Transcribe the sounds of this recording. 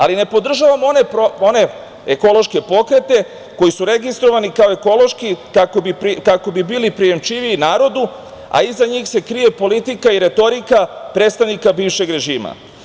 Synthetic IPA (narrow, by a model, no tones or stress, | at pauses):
a̰line̞po̞d̪r̩ʒaʋamo̞ne̞pɾoo̞ne̞ | eko̞lˠo̞ʃke̞po̞kɾe̞t̪e̞ | ko̞jisuɾe̞ɡist̪ɾo̞ʋanikaoeko̞lˠo̞ʃkikakobipkako̞bibiːlipɾije̞mt͡ʃiʋiːnaːɾo̞d̪u | a̰izaɲiːxse̞kɾije̞po̞lit̪ikaiɾe̞t̪o̞ɾikapɾet̪st̪aʋnikabiːʋʃe̞ɡɾe̞ʒiːma̰